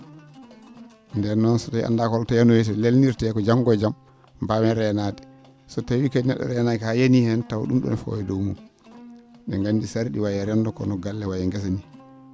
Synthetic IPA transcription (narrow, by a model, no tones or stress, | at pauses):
ndɛɾnɔnsɔtajʔa̰ndakɔltajanɔjɛtɛlelniɾtɛkɔd͡ʒaŋɡɔd͡ʒam | bawɛɾɛnadɛ | sɔtawikadinɛ̰ɗːɔ̰ɾɛnaɛkhajenihɛntaw̰ɗṵmɗṵnɛfɔ̰wɛdɔwmum | ɓɛŋɡandisaɾiɗiwajɛɾɛndɔkɔ̰nɔɡalːɛwajɛŋɡɛs̬ani